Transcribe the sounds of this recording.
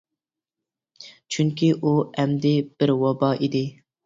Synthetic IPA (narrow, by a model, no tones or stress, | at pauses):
t͡ʃʰyŋkʲiʔuɛmd̪ɪb̥ɪɾwɑbɑːʔid̪ɪ